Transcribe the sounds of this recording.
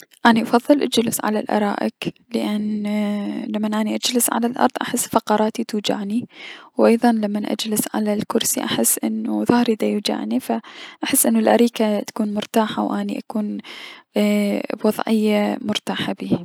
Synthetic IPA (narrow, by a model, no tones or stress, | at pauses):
ʔaːniʔɑfɑðˤːɨlʔad͡ʒlɪsʕa̰la̰lʔɑ̰ɾˤɑ̰ːʔɪ̰klɪʔan | lamːanʔaːniʔad͡ʒlɪsʕa̰lalʔɑ̰ɾˤðˤʔaħɪsːfɑqɑɾˤɑːt̪it̪uːd͡ʒa̰ʕniwʔɑjðˤɑnlamːanʔa̰d͡ʒlɪsʕa̰lalkʊɾsiʔa̰ħɪsːʔɪ̰nːuðahɾɪd̪ajuːd͡ʒa̰ʕnifaʔaħɪsːʔɪnːʊlʔaɾiːkat̪ḁkuːnmʊɾt̪aːħawʔaːnḭʔakuːn | bwɑðˤʕɪjːamʊɾt̪aːħabiːh